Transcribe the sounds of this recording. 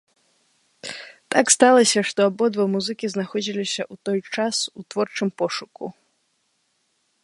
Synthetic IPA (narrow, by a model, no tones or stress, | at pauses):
t̪akst̪alˠɐsʲɐʂt̪ɔabɔd̪vɔmuzɨkʲiznaxɔd͡zʲilʲisʲɐʔut̪ɔjt͡ʂasut̪vɔrt͡ʂɨmpɔʂukṵ